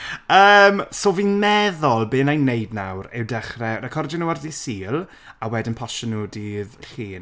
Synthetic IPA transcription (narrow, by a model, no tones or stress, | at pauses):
əːmsoːviːmɛðɔlˠbeːnajnːejdna̰wɾɪ̰wdɛχrɛɔdakʰɔrd͡ʒənəwarðisiːlˠ | awɛdɪnpʰɔʃɔnʊdiðɬiːn